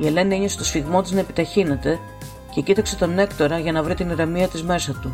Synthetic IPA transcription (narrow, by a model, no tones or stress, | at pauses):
ie̞le̞nieɲoset̪osfiɣmo̞t̪iznɐe̞pit̪ɐçine̞t̪e̞ | ce̞cit̪ɐkse̞t̪o̞ne̞kt̪o̞ɾɐʝɐnɐvɾit̪iniɾemiɐt̪izme̞sɐt̪u